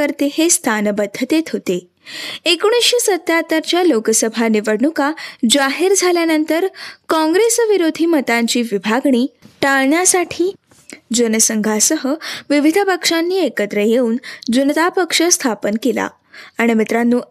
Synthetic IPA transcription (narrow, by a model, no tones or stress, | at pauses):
əɾt̪ehest̪ʰanbəd̪ʱːət̪et̪ɦot̪e | ekoɽ̃isɕesət̪jat̪əɾt͡ɕjalokəsəbʱaniʋəɽɳukad͡zaɦiɾd͡zʱaljanənt̪əɾkɔ̃ŋɡɾesʋiɾod̪ʱiːmət̪aɲt͡ɕiːʋibʱaɡɳiːʈaɭɳjasaʈʰiː | d͡zunəsəŋɡʱasəɦəʋiʋid̪ʱəpəkʂanːiːekət̪ɾəjeuːnd͡zunət̪apəkʂəst̪ʰapənkila̰ː | ɽ̃imit̪ɾanːuː